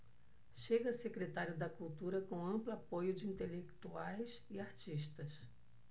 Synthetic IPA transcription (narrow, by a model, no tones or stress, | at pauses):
ʃeɡɐsekɾet̪aɾjʊd̪ɐkult̪uɾɐkõɐ̃mplʊapojʊd͡ʒɪĩnt̪elekt̪uajs | iaɾt͡ʃiʃt̪ɐs